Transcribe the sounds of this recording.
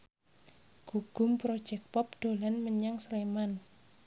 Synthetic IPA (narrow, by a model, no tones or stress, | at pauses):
ɡ̥uɡ̥ʊ̤mpɾod̥ʒ̥ɛk̚pɔp̚d̥o̤lanməɲaŋsleman